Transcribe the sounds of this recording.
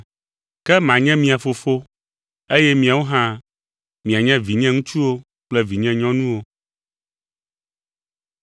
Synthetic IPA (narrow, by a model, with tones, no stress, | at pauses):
kɛ˦mã˨ɲɛ̃˦mĩ˨a˨fo˨fo˦ | e˦jɛ˦mĩ˨a˨wo˦ɦã˦ | mĩ˨a˨ɲɛ̃˦vi˨ɲɛ̃˦ŋũ˦t͡ʃu˦wo˦ | k͡plɛ˦vi˨ɲɛ̃˦ɲɔ̃˦nũ˦wo˦